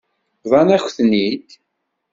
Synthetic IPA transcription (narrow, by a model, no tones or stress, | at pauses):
ðˤɑnæçθnid̪